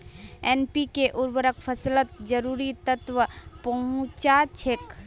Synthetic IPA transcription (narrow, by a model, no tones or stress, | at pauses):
ɛːnpikeʔʊɾbəɾəkʰpʰəslət̪d͡ʒəɾuːɾit̪ət̪ʋəpɐɦʊ̃t͡ʃat͡ʃʰek